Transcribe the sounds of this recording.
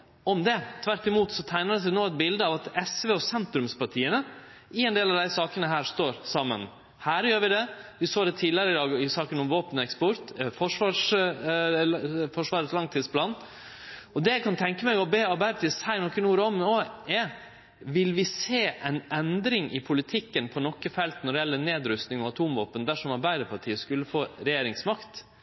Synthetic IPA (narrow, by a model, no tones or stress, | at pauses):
ɔmd̪ɛt̪ʰʋæɾt̪ɪmuːt̪sɔt̪ʰæɪnəəs̬ænoːɛt̪̚bɪld̪əɑʋɑt̪ɛsʋeːɔsɛnt̪ɾʉmspɑʈʰiːənəɪɛnd̪eːlɑʋd̪æɪsɑːkənəɦæːɾʂt̪oːɾsɑmːə̰n | hæːɾjøːɾʋɪd̪ɛʋɪsoːd̪ɛt̪ʰiːlɪəɾəɪd̪ɑːɡɪsɑːkənɔmʋoːpənɛkspɔɾt̪fɔʂʋɑːʂ | fɔʂʋɑːɾəslɑŋt̪ʰiːd̪splɑːn | ɔd̪ɛjæɪkʰɑnt̪ʰɛŋkəmɛɪɡɔbeːɑɾbæɪd̪əpʰɑt̪iːsæɪnɔkːənuːɾɔmnoːɛ | ʋɪlʋɪseːʔɛɪnɛnd̪ɾɪŋʔɪ̰pʰʊlɪt̪ʰɪkːənpʰɔnɔkːəfɛlt̪nɔɖɪjɛlːəneːd̪ɾʉst̪nɪŋɔɑt̪ʰuːmʋoːpənd̪æʂɔmɑɾbæɪd̪əpʰɑʈʰiːəskʉlːəfoːɾɛjeːɾɪŋsmɑkt̪